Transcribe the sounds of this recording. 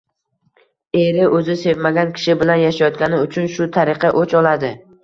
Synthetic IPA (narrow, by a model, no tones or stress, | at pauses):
e̞ɾɪʔɵzɪse̞vmaɡʲankʲʰɪ̥ʃɪbɪlanjaʃajɒt̪̚kʲanɪʊt͡ʃʰʊnʃʊt̪ʰaɾɪqʰɑʔot͡ʃɒlad̪ɪ